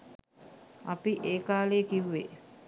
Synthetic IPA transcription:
apiʔeːkaːleːkiʋːḛ

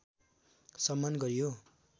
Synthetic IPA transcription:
sʌmːanɡʌɾijo

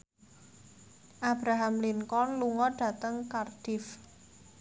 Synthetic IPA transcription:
ʔab̥ɾaɦamliŋkɔnluŋɔɖ̥ä̤t̪əŋkarɖ̥ɪf

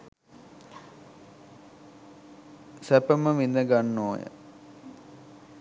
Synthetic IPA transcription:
sæpəməʋind̪əɡanːoːjə̰

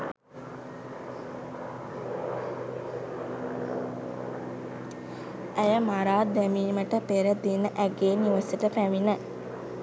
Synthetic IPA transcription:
æjəmaɾaːd̪æmiːməʈəpeɾəd̪inəʔæɡeːniʋəsiʈəpæminə

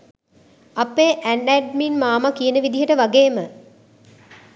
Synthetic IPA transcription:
ɐpeːʔænɖæɖminmaːmakijənəʋid̪iɦəʈəʋaɡeːmə

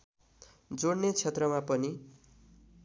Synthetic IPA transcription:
d͡zoɽnet͡sʰet̪rʌmapʌni

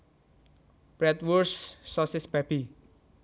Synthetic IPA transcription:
b̥ɾɛt̪wursːɔsɪsb̥ab̥i

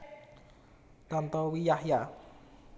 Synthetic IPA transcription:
t̪ant̪ɔwijahja

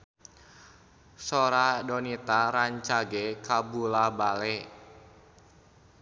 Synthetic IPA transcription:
soɾadɔnit̪aɾaɲt͡ʃaɡekabulabalɛ

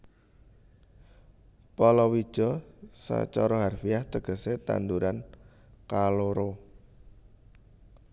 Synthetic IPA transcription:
pɔlɔwi̥ʒ̥ɔ̤sa̰t͡ʃɔɾɔɦarfijaht̪əɡ̥ə̤set̪a̰nd̪uɾan | kaloɾo

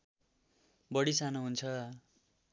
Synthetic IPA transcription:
bʌɽisanoɦunt͡sʰʌ

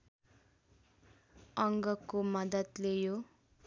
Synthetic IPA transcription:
ʌŋɡʌkomʌd̪ʌt̪lejo

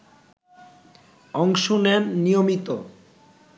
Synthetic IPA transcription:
ɔŋʃonemnijomit̪o

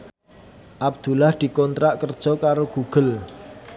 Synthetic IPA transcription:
ʔabd̪̥ulahd̪̥i̤kɔnt̪ɾaʔkərd̥ʒ̥ɔ̤kaɾoɡ̥uɡ̥ə̤l

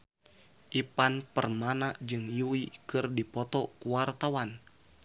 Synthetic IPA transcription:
ʔipanpərmanaʔd͡ʒɨŋjuikɨrdipɔt̪ɔkuwart̪awan

